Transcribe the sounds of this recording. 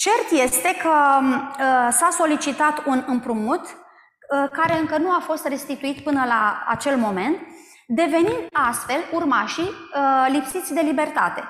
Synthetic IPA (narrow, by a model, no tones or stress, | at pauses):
t͡ʃe̞rt̪je̞st̪e̞kʰə | saso̞lit͡ʃit̪at̪unɨmpɾumut̪ | kaɾe̞ɨŋkənuafo̞st̪re̞st̪it̪uit̪pɨnəlaa̰t͡ʃe̞lmo̞me̞nt̪ | d̪e̞ve̞nind̪ast̪fe̞lurmaʃilipsit̪sʲd̪e̞libe̞rt̪at̪e̞